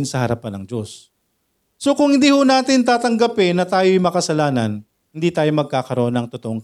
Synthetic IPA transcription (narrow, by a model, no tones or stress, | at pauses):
nsɐhɐɾɐpanɐŋd͡ʒo̞sː | o̞kʊŋhɪnd̪iːhʊnaːt̪ɪnt̪aːt̪ɐŋɡɐpɪnːɐt̪aːjojmɐkɐsɐlaːnɐn | hɪnd̪iːt̪aːjo̞mɐɡ̚kaːkɐɾo̞ʔonɐŋt̪ot̪oʔoŋ